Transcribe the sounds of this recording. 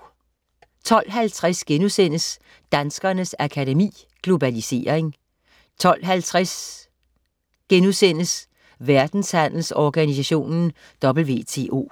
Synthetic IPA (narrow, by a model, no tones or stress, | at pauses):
t͡sʰɒ̽l̰ɦælt͡sʰʁasɡ̥enusen̰əs | d̥ænsɡ̥ɐnəsækʰædemḭː | ɡ̥lo̝bælise̝̰ːɐeŋ | t͡sʰɒ̽l̰ɦælt͡sʰʁas | ɡ̥enusen̰əs | ʋæɐd̥n̩shæn̰l̩sɒɡ̥ænisæɕo̝̰ːnn̩ | d̥ɒ̽b̥l̩ʋe̝̰ːt͡sʰe̝̰ːʔo̝̰ː